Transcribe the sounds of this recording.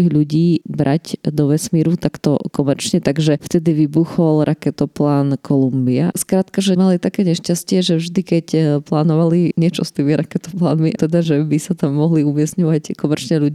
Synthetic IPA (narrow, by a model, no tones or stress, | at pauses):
iɣʎuɟiːbɾʔaɟd̪ɔʋɛsmiːɾut̪akt̪ɔ̰kɔmɛɾt͡ʃɲɛt̪aɡʒɛft̪ɛd̪iʋibuxɔlɾʔakɛt̪ɔplaːnkʰɔlumbiaskɾaːt̪kaʒɛmalit̪akɛːɲɛʃcascɪɛʒɛvʒd̪ikɛcplaːnɔʋaliɲɪɛt͡ʃɔst̪iːmiɾakɛt̪ɔplaːnmit̪ɛd̪aʒɛbisat̪amːɔɦliumɪɛsɲɔʋackɔmɛɾt͡ʃɲɛʎuɟ